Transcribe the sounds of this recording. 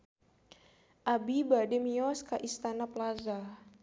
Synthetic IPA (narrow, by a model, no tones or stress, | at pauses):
ʔabibademiɔskaʔist̪anaplaza